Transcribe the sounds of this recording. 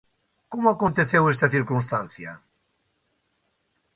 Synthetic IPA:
komʊakont̪eθewest̪ɐθiɾkunst̪an̟θjɐ̰

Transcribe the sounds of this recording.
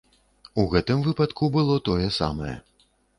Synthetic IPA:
uɣɛt̪ɨmvɨpat̪kubɨlˠɔt̪ɔjɛsa̰mɐjɛ̰

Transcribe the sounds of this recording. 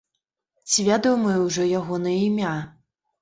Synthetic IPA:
t͡sʲivʲad̪ɔwmɐjəwʐɔjaɣɔnɐjəimʲa

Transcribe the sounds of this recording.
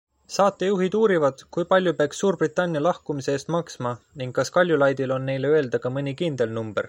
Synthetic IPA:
sɑːt̪ːˑe̞juɦid̪̥uːɾivɑd̪̥kujpɑlʲjupeɑksːuːrbrit̪ːˑɑnʲːijɑlɑhkumiseeːst̪mɑksmɑniŋɡ̥kːɑskɑlʲjulɑjd̪̥ilo̞nːe̞jleøe̞ld̪̥ɑkɑmɤnʲikind̪̥e̞lnumb̥e̞r

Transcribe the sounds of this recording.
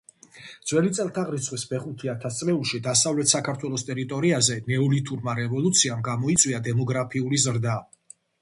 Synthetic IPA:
d̪z̥wɛlit̪sʼɛlˠt̪ʰaʁɾit̪sʰχwisbɛχut̪ʰiat̪ʰast̪sʼlɛulˠʃid̪asavlɛt̪ʰsakʰaɾt̪ʰwɛlˠɔst̪ʼɛɾit̪ʼɔɾiazɛnɛɔlit̪ʰʼuɾmaɾɛvɔlˠut̪sʰiamɡamɔit̪sʼwiad̪ɛmɔɡɾapʰiulizɾd̪a

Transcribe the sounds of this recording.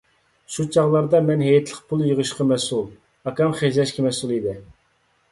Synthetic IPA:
ʃut͡ʃʰɑʁlˠɑɾd̪ɑmɛnɦɛjɛt̪ʰlˠəqpʰulˠjəʁəʃqʰɑmɛsulˠ | ɑkɑmχed͡ʒɛʃkʲʰimɛsulˠid̪ɪ

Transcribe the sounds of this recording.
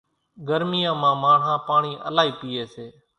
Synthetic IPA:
ɡəɾmijãːmãːmãːɳ̤ɦãːpaːɳiːʔə̰laːiːpiːeːseː

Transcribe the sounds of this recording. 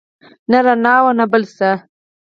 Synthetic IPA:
naɾanɑːwanabəlsa

